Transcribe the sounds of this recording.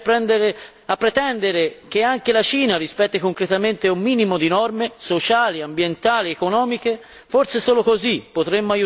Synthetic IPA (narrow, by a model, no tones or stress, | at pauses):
pɾɛnd̪eɾe | apːɾet̪ɛnd̪eɾek̟eaŋkelat͡ʃiːnaɾispɛt̪ːekoŋkɾet̪ament̪eumːiːnimod̪inɔrmesot͡ʃaːliambjent̪aːliekonɔːmik̟e | forsesoːlokozipːot̪ɾemːoaju